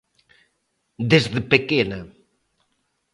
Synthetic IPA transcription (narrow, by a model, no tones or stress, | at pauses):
d̪ezðɪpekena